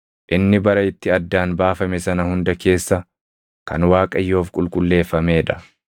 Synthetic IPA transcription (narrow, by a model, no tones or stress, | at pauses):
ʔɪnːɪbɐɾɐɪt̪ːɪɐd̪ːaːnbaːfɐmɛsɐnɐhʊnd̪ɐke̞ːsːɐ | kɐ̰nwaːkʼɐjːo̞ːfkʼʊlkʼʊlːe̞ːfːɐme̞ːᶑɐ̥